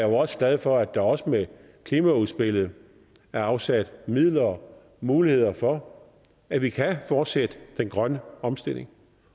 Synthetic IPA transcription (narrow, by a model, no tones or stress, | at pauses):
joɒ̽sə̥ɡ̥lɛð̞ˠfɒ̽æd̥ɑ̈ɒ̽səme | kʰlimæuðˠsb̥e̝l̰ð̞̩ˠ | æɐɑ̈ʊsæd̥mið̰ˠlɐ | muːlihe̝ð̰ˠɐfɒ̽ | æʋikʰæfɒːd̥sed̥əd̥enɡ̥ʁɶnəɒ̽msd̥e̝l̰e̝ŋ